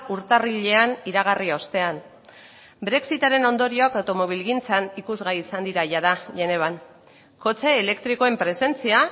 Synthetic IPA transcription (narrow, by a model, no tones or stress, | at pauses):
uɾt̪ariʎe̞aniɾaɣ̞ario̞st̪e̞an | bɾe̞ksit̪aɾe̞no̞nd̪o̞ɾio̞akawt̪o̞mo̞βilɣint͡sanikuzɣaiːsand̪iɾaʝaðaʝe̞ne̞β̞an | ko̞t͡se̞ːle̞kt̪ɾiko̞e̞mpɾe̞se̞nt͡sia